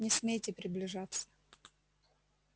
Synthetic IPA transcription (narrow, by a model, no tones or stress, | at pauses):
nʲɪsmʲejtʲɪpɾʲɪblʲɪʐat̪sːə̥